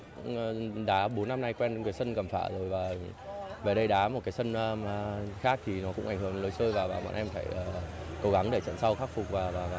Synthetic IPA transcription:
ɗaː˨˦ɓo˨˦nːa˧mna˧jkwɛ˧n˨˦kːsə˧nkə˧˩mfa̰ː˧˩zo˨˩jvaː˨˩ | ve˨˩ɗə˧jɗaː˨˦mo˨˩t̚kaː˨˦jsə˧nː˧xaː˦˥k̚t̪ʰi˨˩nɔ˨˦kʊ̰˧˥ŋ͡mʔa˧˩ŋ̟hɨ˧˩ə˩ŋlə˨˦jsəː˧jvaː˨˩vaː˨˩ma̰ː˧˨nʔɛ˧mfa̰ː˧˩jʔəː˨˩ | ko˨˦ɣa˨˦ŋɗe˧˩t͡ɕə̰˧˨nsa˧wxaː˦˥k̚fʊ˨˩k͡p̚vaː˨˩vaː˨˩vaː˨˩

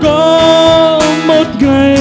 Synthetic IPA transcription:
kɔ˧˨ | mo˨˩t̪̚ɣə˧˩

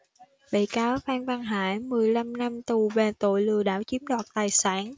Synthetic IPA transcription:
ɓḭ˧˨kaː˨˦wvaː˧nvaː˧ŋɦa̰ː˧˥jmɨ˨˩əjla˧mna˧mt̪u˨˩ve˨˩t̪o̰˧˨jlɨ˨˩əɗa̰ː˧˥wt͡ɕi˨˦əmɗwaː˨˩t̚t̪aː˨˩jsaː˧˥n

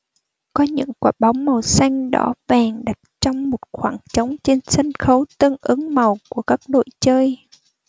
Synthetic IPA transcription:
kɔ˨˦ɲɨ̰˧˥ŋkaː˧˩ɓa˨˦wŋ͡mmə˨˩wsa˧jŋ̟ɗɔ̰˧˥vaː˨˩ŋɗa˨˩t̚t͡ɕɔ˧wŋ͡mmo˨˩t̚xwaː˧˩ŋt͡ɕə˨˦wŋ͡mt͡ɕe˧nsə˧ŋxə˨˦wt̪ə˧nʔɨ˨˦ŋmə˨˩wku˧˩əkaː˦˥k̚ɗo̰˧˨jt͡ɕəː˧j

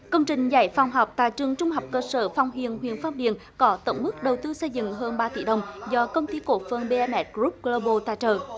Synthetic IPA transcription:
kə˧wŋ͡mt͡ɕï˨˩ŋ̟za˧˩jfa˨˧˩wŋ͡mɦɔ˨˩wk͡p̚t̪a̰ː˧˨t͡ɕɨ˨˩əŋt͡ɕʊ˧ŋ͡mɦa˨˩wk͡p̚kəː˧səː˧˩fa˨˧˩wŋ͡mɦḭ˧˨ənɦwḭ˧˨ənfaː˧m̚ɗḭ˧˨ən | kɔ˨˦t̪ə̰˧˩wŋ͡mmɨ˦˥k̚ɗə˨˩wt̪ɨ˧sə˧jzɨ̰˧˨ŋɦəː˧nɓaː˧t̪ḭ˧˩˦ɗə˨˩wŋ͡mzɔ˧kə˧wŋ͡mt̪i˧ko̰˧˥fə˧nɓe˧ɛ˧mʔɛ˦˥t̚ɣɾu˦˥p̚ɡlo˧ɓo˧t̪aː˧˨t͡ɕəː˨˩

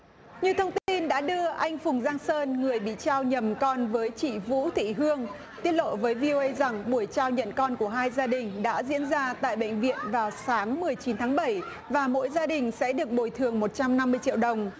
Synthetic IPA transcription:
ɲi˨˩əwt̪ʰə˧wŋ͡mt̪i˧nɗa̰ː˧˥ɗɨ˧əʔa˧jŋ̟fʊ˨˩ŋ͡mzaː˧ŋsəː˧nŋɨ˨˩əjɓḭ˧˨t͡ɕaː˧wɲə˨˩mkɔ˧nvəː˨˦jt͡ɕḭ˧˨vṵ˧˥t̪ʰḭ˧˨ɦɨ˧əŋ | t̪i˧ət̚lo̰˧˨vəː˨˦jvi˧ʔo˧ʔə˧jza˨˩ŋɓu˧˩əjt͡ɕaː˧wɲə̰˧˨nkɔ˧nku˧˩əɦaː˧jzaː˧ɗï˨˩ŋ̟ɗa̰ː˧˥zḭ˧˥ənzaː˧t̪a̰ː˧˨jɓə̰˧˨jŋ̟vḭ˧˨ənvaː˨˩wsaː˨˦ŋmɨ˨˩əjt͡ɕi˨˦nt̪ʰaː˨˦ŋɓə˧˩j | vaː˨˩mo̰˧˥jzaː˧ɗï˨˩ŋ̟sɛ̰˧˥ɗɨ˨˩ək̚ɓo˨˩jt̪ʰɨ˨˩əŋmo˨˩t̚t͡ɕa˧mna˧mːɨ˧əjt͡ɕḭ˧˨əwɗə˨˩wŋ͡m

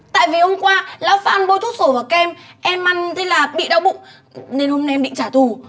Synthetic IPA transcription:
t̪a̰ː˧˨jvi˨˩ho˧mkwaː˧laː˧˦wfa̰ː˧˨nɓo˧jt̪ʰu˦˥t̚so˧˩vaː˨˩wka˧ʔɛ˧mʔɛ˧mːa˧˩ŋzə˧˦laː˨˩ɓḭ˧˨ɗa˧wɓʊ̰˧˨ŋ͡m | ne˧nho˧ma˧jʔɛ˧mɓḭ˧˨ŋt͡ɕaː˧˩t̪u˨˩

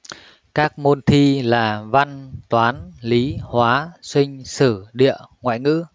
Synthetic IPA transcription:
kaː˦˥k̚mo˧nt̪ʰi˧laː˨˩va˧nt̪waː˨˦nli˨˦hwaː˨˦swï˧ŋ̟sɨ˧˩ɗḭ˧˨əŋwa̰ː˧˨jŋɨ̰˧˥

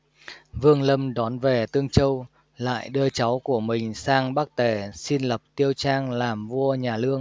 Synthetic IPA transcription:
vɨ˧əŋlə˧mɗɔ˨˦nve˨˩t̪ɨ˧əŋt͡ɕə˧w | la̰ː˧˨jɗɨ˧ət͡ɕa˨˦wku˧˩əmï˨˩ŋ̟saː˧ŋɓaː˦˥k̚t̪e˧˩si˧nlə˨˩p̚t̪i˧əwt͡ɕaː˧ŋlaː˨˩mvu˧əɲaː˨˩lɨ˧əŋ

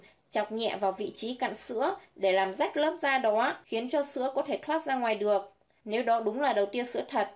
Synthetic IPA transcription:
t͡ɕa˨˩k͡p̚ɲɛ̰˧˨vaː˨˩wvḭ˧˨t͡ɕi˨˦ka̰ː˧˨nsɨ̰˧˥əɗe˧˩laː˨˩mza˦˥jk̟̚ləː˦˥p̚zaː˧ɗɔ˨˦xi˨˦ənt͡ɕɔ˧sɨ̰˧˥əkɔ˨˦t̪ʰe˧˩t̪ʰwaː˦˥t̚zaː˧ŋwaː˨˩jɗɨ˨˩ək̚ | ne˨˦wɗɔ˨˦ɗʊ˨˦ŋ͡mlaː˨˩ɗə˨˩wt̪i˧ənsɨ̰˧˥ət̪ʰə˨˩t̚

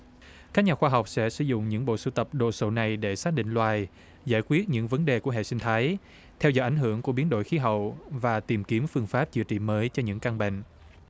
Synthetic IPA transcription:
ka˦˥k̚ɲaː˨˩xwaː˧ɦa˨˩wk͡p̚sɛ̰˧˥sɨ̰˧˩zʊ̰˧˨ŋ͡mɲɨ̰˧˥ŋɓo̰˧˨sɨ̰˧˩t̪ə˨˩p̚ɗo˨˩so˧˩na˨˩jɗe˧˩saː˦˥ɗḭ̈˧˨ŋ̟lwaː˨˩j | zaː˧˩jkwi˦˥ət̚ɲɨ̰˧˥ŋvə˨˦nɗe˨˩ku˧˩əɦḛ˧˨sï˧ŋ̟t̪ʰaː˨˦j | t̪ʰɛ˧wzɔ̰˧˩jʔa˧˩ŋ̟ɦɨ˧˩əŋku˧˩əɓi˨˦ənɗo̰˧˨jxi˨˦ɦə̰˧˨wvaː˨˩t̪i˨˩mki˨˦əmfɨ˧əŋfaː˦˥p̚t͡ɕɨ̰˧˨ət͡ɕḭ˧˨məː˨˦jt͡ɕɔ˧ɲɨ̰˧˥ŋka˧ŋɓḛ˧˨ŋ

